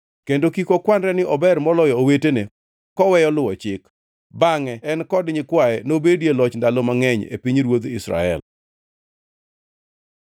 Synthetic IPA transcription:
kendokikokwandɾɛnɪʔɔbɛrmɔlɔjɔowetene | kɔwɛjɔlʊwɔt͡ʃɪk | baŋɛɛnkɔdɲɪkwaɛnobedjelɔt͡ʃndalomaŋɛɲḛpiɲɾwod̪ɪsɾa̰ɛ̰l

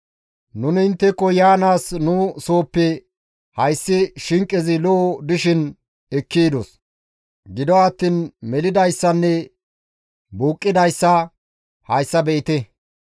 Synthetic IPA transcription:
nʊnɪɪnt̪ːɛkːɔjaːnaːsnʊso̞ːpːɛ | hɐjsːɪʃɪŋkʼːɪzɪloːd̪ɪʃɪn | ɛkːiːd̪os | ɡɪd̪ɔɐt̪ːiːnmɛlɪd̪ɐjsːɐnːɛ | buːkʼːɪd̪ɐjsːɐ | hɐjsːɐbɛʔɪt̪ɛ

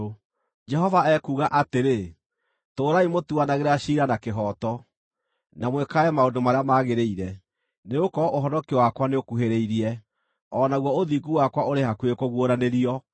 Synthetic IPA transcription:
d͡ʒɛɦɔvaɛkuːɣaʔateɾe | toːɾaimotuanaɣeɾaɕiːɾanakeɦɔːtɔ | namwɛkaɛmaodomaɾeamaːɣeɾeiɾɛ | neokɔʔoɦɔnɔkiwakwaneokuɦeɾeiɾiɛ | ɔːnaɣwɔoðiːɡuwakwaoɾeɦakwekoɣwoɾaneɾiɔ

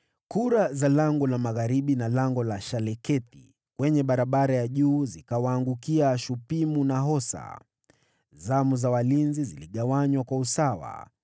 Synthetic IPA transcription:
kuɾazalaŋɡɔlamaɣaɾiɓinalaŋɡɔlaʃalɛkɛti | kwɛɲɛɓaɾaɓaɾajaʄuːzikawaːŋɡukiaʃupimunaɦɔsa̰ | zamuzawalinziziliɠawaɲwakwausawa̰

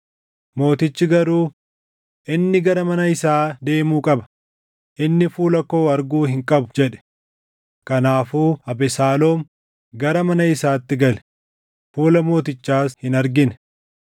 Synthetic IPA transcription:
mo̞ːt̪ɪt͡ʃːɪɡɐɾuː | ʔɪnːɪɡɐɾɐmɐnɐɪsaːd̪e̞ːmuːkʼɐbɐ̥ | ʔɪnːɪfuːlɐko̞ːɐɾɡuːhɪŋkʼɐbʊ̥d͡ʒɛᶑɛ̥ | kɐnaːfuːɐbɛsaːlo̞ːm | ɡɐɾɐmɐnɐɪsaːt̪ːɪɡɐlɛ | fuːlɐmo̞ːt̪ɪt͡ʃːaːshɪnɐɾɡɪnɛ̥

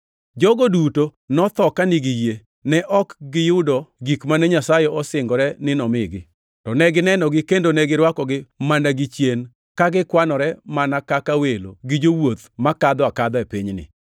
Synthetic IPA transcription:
d͡ʒɔɡodutonɔt̪ɔkanɪɡɪje | nɛʔɔkɡɪjʊdɔɡikmanɛɲasajɛɔsɪŋɡɔɾɛnɪnɔmɪɡɪ̰ | tɔnɛɡɪnɛnɔɡɪkendonɛɡɪɾwakɔɡɪmanaɡɪt͡ʃjen | kaɡɪkwanɔɾɛmanakakawelo̰ɡɪd͡ʒowot̪makad̪ɔakad̪ɔɛpiɲnɪ̰

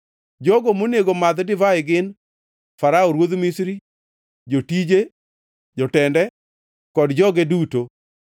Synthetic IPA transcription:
d͡ʒɔɡomoneɡomad̪dɪvaɪɡɪn | faɾaɔɾwod̪misɾi | d͡ʒotid͡ʒe | d͡ʒɔtɛndɛ | kɔdd͡ʒɔɡeduto

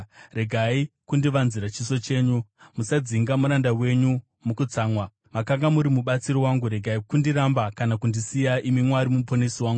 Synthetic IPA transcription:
re̞ɡʱaikundiʋanziɾat͡ʃiso̞t͡ʃe̞ːɲumusad͡ziŋɡamuɾandawe̞ɲu | mukut͡saːmwa | makaŋɡamuɾimuɓat͡siɾowaŋɡuɾe̞ɡʱaikundiɾambakanakundisijaimimwaɾimuponesiwaːŋɡu

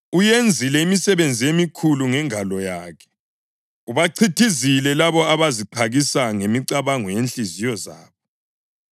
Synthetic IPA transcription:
ujend͡zʱilɛimisɛβend͡zʱiemikʰuluŋɛŋʱalɔjaːkʰɛ̥ | uβaǀʰitʰizilɛlaβɔaβaziǃʰaɣisaŋemiǀaβaŋɔjenɬizijɔza̰ːβɔ

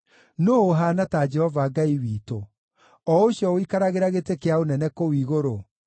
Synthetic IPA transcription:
noːɦaːnatad͡ʒɛhɔvaɡaiwiːto | ɔoɕjɔoikaɾaɣeɾaɣetekeaonɛnɛkowiɣoɾo

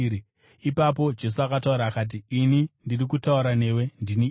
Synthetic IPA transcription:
ipap̬o̞d͡ʒe̞s̬uakatauɾaːkat̬iːnindirik̬utauɾane̞we̞ndini

